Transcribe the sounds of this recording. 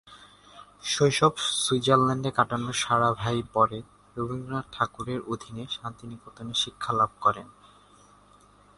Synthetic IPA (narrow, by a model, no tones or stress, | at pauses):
ʃojʃobsud͡ʑaɾlɛɳɖekaʈanoʃaɾabʱajpɔɾe | ɾobʱiŋɡɾaʈʰakuɾeɾod̪ʱineʃant̪inikot̪oneʃikʰːalab̚ʱkɔɾen